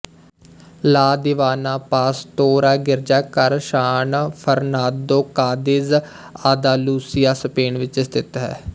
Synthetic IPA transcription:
laːd̪ɪʋaːnaːpaːst̪oːɾaːɡɪɾd͡ʒaːkəɾʃaːnpʰəɾnaːd̪oːkaːd̪ɪz | aːd̪aːluːsɪjaːsəpeːɳʋɪt͡ʃɪst̪ʰɪt̪ɦɛ̰ː

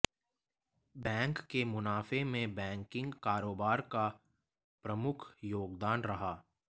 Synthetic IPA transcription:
bɛ̃ːŋkːemʊnaːfemẽbɛ̃ːŋkɪ̃ŋɡkaːɾoːbaːɾka | pɾɐmʊkʰjoːɡd̪aːnɾɐɦaː

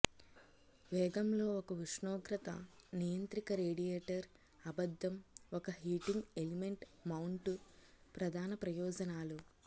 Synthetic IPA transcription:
ʋɛːɡɐmlo̞ːɔkɐʋiʂɳoːɡɾɐt̪ɐ̰nijɐnt̪ɾikɐɾeːɽijeːʈɐɾ | ɐbɐd̪ːɐmɔkɐɦiːʈiŋɡelime̞ɳʈmɐwuɳʈu | pɾɐd̪ʱaːnɐpɾɐjɔːd͡ʒɐnaːlu

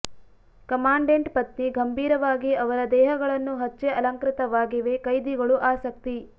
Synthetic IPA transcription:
kɐmaːɳɖeɳʈpɐt̪niɡɐmbʱiːɾɐʋaːɡiɐʋɐɾɐd̪ɛːɦɐɡɐɭɐnːuɦɐt͡ʃːeɐlɐŋkɾɪt̪ɐʋaːɡiʋe̞kɐjd̪iɡɐɭuʔaːsɐk̚t̪i

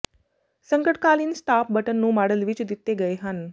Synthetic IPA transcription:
səŋkəʈkaliːnsʈap̚bəʈənːũːmaɽəlʋit͡ɕud̪it̪ːeɡəjɦan

